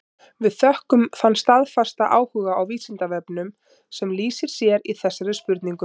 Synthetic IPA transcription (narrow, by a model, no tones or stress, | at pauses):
vɪðθœhkʏmθanst̪aðfast̪aʔaːwhʏːɣaawviːsint̪avɛpnʏm | sɛmliːsɪɾ̥sjɛɾiθɛsːaɾʏspʏɾt̪niŋkʏ